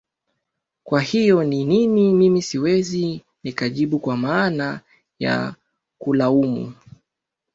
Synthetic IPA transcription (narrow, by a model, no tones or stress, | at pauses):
kwahijɔnininimimisiwɛzi | nikaʄiɓukwamaːna | ja̰ | kulaumṵ